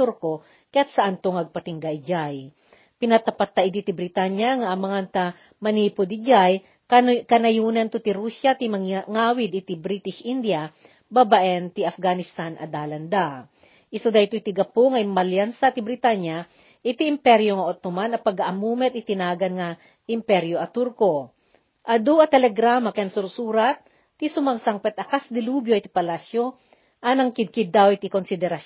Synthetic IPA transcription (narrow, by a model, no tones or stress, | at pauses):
t̪uɾko | kɐjat̪sɐʔant̪oŋɐɡ̚pɐt̪ɪŋɡajd͡ʒaj | pɪnɐt̪ɐpat̪ːɐʔɪt̪it̪ibɾɪt̪anjaŋaʔmɐŋant̪a | mɐniːpod̪id͡ʒaj | kɐnɐjuːnɐnt̪ot̪ɪɾuʃat̪imɐŋŋaːwɪd̪ɪt̪ibɾit̪ɪʃʔind̪ja | babaʔɛnt̪iʔɐfɡanɪst̪anʔɐ̰d̪aːlɐnd̪a | ʔɪsod̪ɐjt̪oit̪iɡɐpoŋɐjmɐljansat̪ibɾɪt̪aɲjɐ | ʔɪt̪iːmpɛɾjoŋɐʔot̪omanɐpɐɡaʔɐmuːmɛt̪ɪt̪ɪnaːɡɐnŋɐ | ʔɪmpɛɾjoʔɐt̪uɾko | ʔɐd̪uʔɐt̪ɛlɛɡɾaːmɐkɐɐnsʊɾsuːɾɐt̪̚ː | isʊmɐŋsaŋpɛt̪̚ɐkasd̪ɪluːbjoʔit̪i̥pɐlasjo | ʔanɐŋkɪd̪̚kɪd̪awɪt̪ikonsɪd̪ɛɾɐ